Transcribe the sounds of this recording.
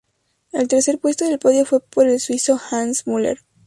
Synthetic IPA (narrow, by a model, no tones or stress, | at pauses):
e̞lt̪e̞ɾse̞ɾpwe̞st̪oðe̞lpo̞ðjo̞fwe̞po̞ɾelswiso̞xansmulḛɾ